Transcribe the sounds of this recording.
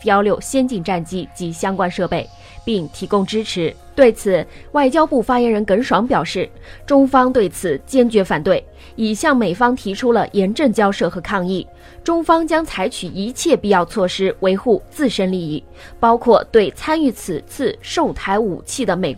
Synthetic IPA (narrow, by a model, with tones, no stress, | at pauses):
jɑ˥ʊljo˥˩ʊɕjɛ˥nt͡ɕi˥˧ŋʈ͡ʂa˥˩nt͡ɕi˥t͡ɕi˧˥ɕjɑ˥ŋkwa˥nʂɤ˥˧pe˥˩ɪ | pi˥˩ŋt̪ʰi˧˥kʊ˥ŋʈ͡ʂɻ̩˥ʈ͡ʂʰɻ̩˧˥ | t̪we˥˩ɪt͡sʰɹ̩˨˩wa˥˩ɪt͡ɕjɑ˥ʊpu˥˩fa˥jɛ˧˥nɻə˧˥nkə˧˥nʂwɑ˧˥ŋpjɑ˨˩ʊʂɻ̩˥˩ | ʈ͡ʂʊ˥ŋfɑ˥ŋt̪we˥˩ɪt͡sʰɹ̩˨˩t͡ɕjɛ˥nt͡ɕɥɛ˧˥fa˨˩nt̪we˥˩ɪ | i˨˩ɕjɑ˥˩ŋme˨˩ɪfɑ˥ŋt̪ʰi˧˥ʈ͡ʂʰu˥lə̰˨jɛ˧˥nʈ͡ʂə˥˩ŋt͡ɕjɑ˥ʊʂɤ˥˩xɤ˧˥kʰɑ˥˧ŋi˥˩ | ʈ͡ʂʊ˥ŋfɑ˥ŋt͡ɕjɑ˥ŋt͡sʰa˧˥ɪt͡ɕʰy˨˩i˧˥t͡ɕʰjɛ˥˧pi˥˧jɑ˥˧ʊt͡sʰwɔ˥˩ʂɻ̩˥we˧˥ɪxu˥˧t͡sɹ̩˥˩ʂə˥nli˥˧i˥˩ | pɑ˥ʊkʰwɔ˥˧t̪we˥˩ɪt͡sʰa˥ny˥˩t͡sʰɹ̩˨˩t͡sʰɹ̩˥˧ʂo˥˩ʊt̪ʰa˧˥ɪu˨˩t͡ɕʰi˥˩d̪ə˩me˨˩ɪ